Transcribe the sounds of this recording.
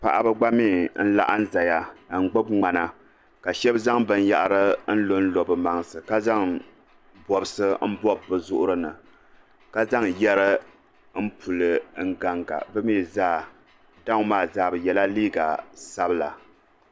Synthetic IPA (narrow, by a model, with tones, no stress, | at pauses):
pa̰˨ʔa˨bɨ˦ɡ͡ba˦miː˦˨n̩˦la̰˦ʔa˦n̩˦za˨ja˨n̩˨ɡ͡bo˦bŋ͡ma˨na˨ | ka˨ʃɛ˦bza˦ŋbɨ˨n˦ja̰˨ʔa˦ɾɨ˦n̩˦lo˦n̩˦lo˨bɨ˨ma˨ŋsɨ˨ka˦za˦ŋ | bɔ˨bɨ˦sɨ˦m̩˦bɔ˦bːɨ˨zʊ˦ʔʊ˦ɾɨ˦nɨ˨ | ka˦za˦ŋjɛ˦ɾɨ˦ | m̩˦pʰu˨lɨ˨ŋ̩˦ɡa˦ŋɡa̰˨bɨ˦mi˦˨zaː˦˨ | da˦ŋ˦maː˦˨zaː˦˨bɨ˨jɛ˨la˦liː˦ɡa˨sa˦bɨ˦la̰˨